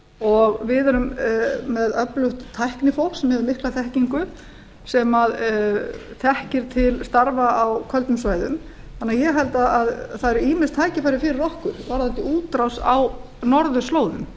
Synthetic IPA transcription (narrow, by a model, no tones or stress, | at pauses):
ɔɣvɪðɛɾʏmːɛðœplʏht̪ʰːajhknɪfowsɛmhɛðʏmɪhklaθɛhciŋkʏ | sɛmað | θɛhcɪɾ̥t̪ʰɪlst̪aɾvaawkʰœlt̪ʏmsvaːjðʏ̰m | θanːajɛɣɦɛlt̪aaðθaðɛɾʏiːmɪnst̪ʰaːjcɪfajɾɪfɪːɾɪɾɔhkʏɾ̥vaɾ̥θat̪ːɪuːt̪ɾawsa̰w | nɔɾðʏ̥sloːwðʏ̰m